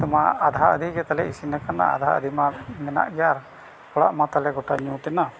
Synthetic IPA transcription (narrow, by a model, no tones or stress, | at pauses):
t̪ɔmaad̪ʱaəd̪ʱiɡɛt̪alɛisinakana̰a̰d̪ʱa̰ə̰d̪ʱimamɛna̰ʔɡjaɾ | pɔɽa̰ʔmat̪alɛɡɔʈaɲũt̪ɛna